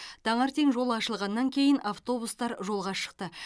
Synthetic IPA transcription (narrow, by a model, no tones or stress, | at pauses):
d̪̥ʰɑɴɑɾt̪ʰeŋʒo̞lˠɑʃəlˠʁɑnːɑŋkʲʰe̞jɪnaft̪o̞bust̪ɑɾʒo̞lˠʁɑʃə̥q̚t̪ə